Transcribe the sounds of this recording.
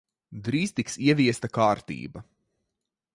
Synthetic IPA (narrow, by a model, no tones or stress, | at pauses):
d̪ɾiːst̪iksiɛviɛst̪ɐkaːɾt̪ḭːbɐ